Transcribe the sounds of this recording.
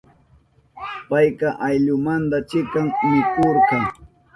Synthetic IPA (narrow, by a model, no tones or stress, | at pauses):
pajkɑʔajʎʊmant̪at͡ʃɪkaŋmɪkoɾqɑ